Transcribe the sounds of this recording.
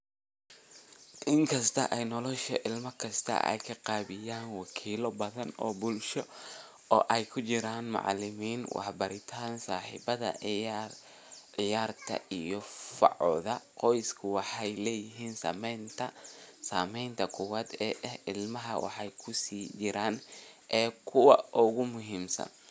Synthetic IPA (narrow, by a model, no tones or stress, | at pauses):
ʔɪŋkʰɐst̪ʰɐ̰ʔɛjnɔlɔʃɐʔɪlmɐkʰɐst̪ʰɐ̰ʔɛ̰jkʰɐqɑːβɪjaːnwɑkʰiːlɔbɐðɐnɔ̰ːbʊlʃɔ | ɔːʔɛjkʰʊt͡ʃɪɾaːnmɑ̰ʕlɪmiːnwɑ̰ħbɐɾɪt̪ʰaːnsaːħḭbɐðɐ̰ | ʕɪjaːrt̪ʰɐ̰ʔijɔfɑ̰ʕɔðɐqɔjskʰʊwɑħɑjlɛːjɪɦiːnsa̰ːmɛnt̪ʰɐsaːmɛjnt̪ʰɐkʰʊwaːd̪ɛːʔɐhɪlmɐɦɐwɑ̰ħɑjkʰʊsiːt͡ʃɪɾaːnʔɛːkʰʊwɑʔʊɣʊmʊɦiːmsɐ̰n